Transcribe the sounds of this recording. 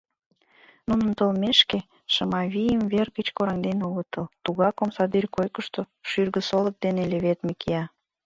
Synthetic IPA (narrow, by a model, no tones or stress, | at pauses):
nunənt̪olmeʃke | ʃəmɑβijəmverɣət͡ɕkoɾɑŋd̪enulət̪əlt̪uɣɑkomsɑd̪irʲkojkəʃt̪o | ʃyrɣə̆solə̆k̚d̪eneleβet̪mikʰeɑ